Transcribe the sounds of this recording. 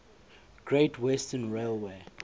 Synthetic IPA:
ɡ̥ɹetʰwɛstə̃nɹelwe

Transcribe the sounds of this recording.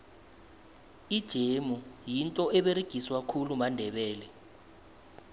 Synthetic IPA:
id̥ʒ̥ʱemujintʼɔɛɓeɾiɡ̥ʱiswakʰulumandʱɛɓɛːlɛ

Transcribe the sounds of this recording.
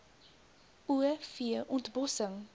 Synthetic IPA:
uəfiəʔɔntbɔsəŋ

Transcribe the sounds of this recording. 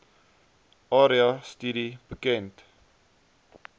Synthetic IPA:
ʔɑːɾiɑstydibəkɛnt

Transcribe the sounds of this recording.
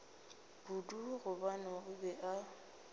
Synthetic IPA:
b̥uduɣʊbanɔʊbɛʔa

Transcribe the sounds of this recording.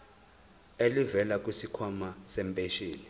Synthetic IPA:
elivɛlak̬ʼwisikʰwamasɛmpʼeʃiːli

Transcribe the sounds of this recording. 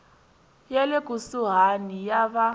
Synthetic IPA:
jaleɡ̥ʱusuɦanijaβa

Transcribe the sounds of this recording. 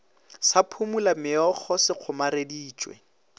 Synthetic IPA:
sapʰumulamɪɔk͡xʰɔsɪq͡χʰʊmaɾediːt͡ʃʼwɛ̰

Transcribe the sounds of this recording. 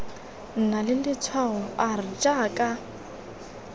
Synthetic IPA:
n̩nalɪlɪt͡sʰwaɔarɪd͡ʒʼakʼa

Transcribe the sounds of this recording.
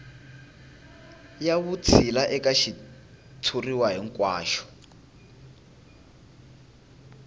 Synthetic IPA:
jaβut͡sʰilaʔɛkaʃi | tʰuriwaɦiŋkwaːʃɔ̥

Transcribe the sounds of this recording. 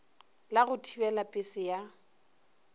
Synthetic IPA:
laɣʊtʰibɛlapʼɪsɪja

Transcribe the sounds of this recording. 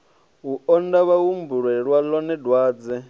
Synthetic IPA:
uɔndaβawumbuɺɛɺwalɔnɛdwaːd͡zɛ

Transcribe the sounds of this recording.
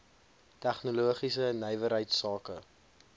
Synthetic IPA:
tæχnuluəχisənɛjvəɾɦəjtsɑːkə

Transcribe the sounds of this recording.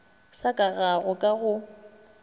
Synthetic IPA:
sakʼaɣaɣʊkʼaɣʊ

